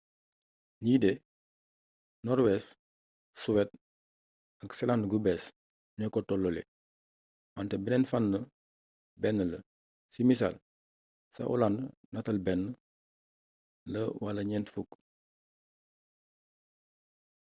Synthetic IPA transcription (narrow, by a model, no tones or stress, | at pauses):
niːdɛ | nɔɾwɛs | suwɛt̚ | ɐksɛlandɡubɛs | ɲɔkːɔtɔlːɔlɛ̰ | wantɛbɛnɛnfanːə | bɛnːələ | simisa̰l | sɐ̰ʔɔ̰landnɐtɐlbɛnːə | ləwɐlɐɲɛntfuk